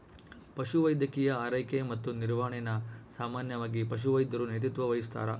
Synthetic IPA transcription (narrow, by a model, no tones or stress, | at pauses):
pɐʃuʋɐjd̪ʱɐkijɐaːɾɐjkemɐt̪ːuniɾʋaːɳɛnɐsaːmaːnjɐʋaːɡipɐʃ̬uʋɐjd̪ɐɾunjɐt̪̬it̪ʋɐʋɐjist̪a̰ːɾɐ